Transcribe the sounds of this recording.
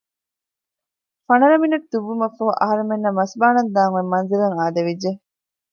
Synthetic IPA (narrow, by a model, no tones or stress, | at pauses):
fɐnɐɾɐminɐtd̪uʋːumɐfɐɦuʔɐ̰ɦɐɾemenːɐmɐsbaːnɐnd̪aːŋuemːɐnziɾɐŋaːd̪ɐʋid͡ʒːe